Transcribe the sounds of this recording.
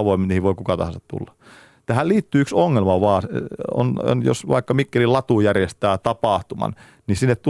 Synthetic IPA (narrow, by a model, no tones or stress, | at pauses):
ɑʋoˑimːniːhiʋoikukɑt̪ɑ̰hɑnsɑt̪t̪ṵlːɑ | t̪æhælliːt̪ːyːyksoŋːelmɑʋɑːso̰n̰njo̰sʋɑ̰ikːɑmikːelilɑt̪uˑjærjest̪æːt̪ɑpɑˑht̪umɑ̰n | nisinːet̪t̪u